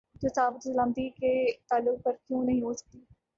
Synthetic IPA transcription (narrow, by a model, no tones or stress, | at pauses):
d͡ʒosaːbɪt̪zlãːnd̪iːket̪aːlʊk̚pəɾkjõːnəɦĩːɦoːsə̥k̚d̪iː